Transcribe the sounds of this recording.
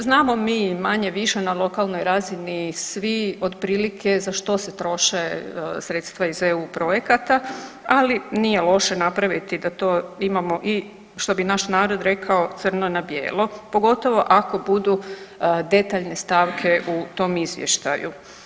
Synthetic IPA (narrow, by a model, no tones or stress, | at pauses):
znaːmo̞miːmaɲe̞ʋiʃe̞nalˠo̞kalˠno̞jɾazinisʋio̞d̪pɾiːlikʰe̞zaʃt̪o̞set̪ɾo̞ʃeḛsɾe̞t̪st̪ʋaizeuːpɾo̞je̞kat̪a | alinije̞lˠo̞ʃe̞napɾaʋit̪id̪at̪o̞ːimamo̞ʔi | ʃt̪o̞binaʃnaːɾo̞d̪ɾe̞kʰao̞t̪sɨr̩nonabje̞̰ːlopo̞ɡo̞t̪o̞ʋo̞ʔako̞bud̪ud̪e̞t̪aʎne̞st̪aʋkʰe̞ʔut̪o̞mizʋjḛʃt̪a̰ju